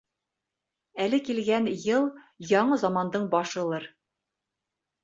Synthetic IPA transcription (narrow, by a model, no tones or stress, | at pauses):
ælɘkilɡænjɤlˠ | jɒɴɤzɒmɑnd̪ɤɴbɒʃɤ̆lˠɤɾ